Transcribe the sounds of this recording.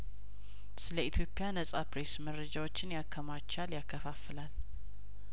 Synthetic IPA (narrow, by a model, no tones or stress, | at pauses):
sɨləit̪ʰjo̞pʼɪjanəsʼapɾe̞sməɾːəd͡ʒawo̞t͡ʃːɪnjakʰːəmat͡ʃːaljakːəfafɨlal